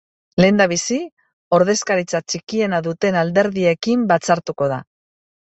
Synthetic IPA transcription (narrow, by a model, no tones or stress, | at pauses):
le̞ːnd̪aβ̞isi | o̞ɾð̞e̞skaɾit͡sat͡ʃikie̞naðut̪e̞nald̪e̞ɾðie̞kimbat͡saɾt̪uko̞ð̞a̰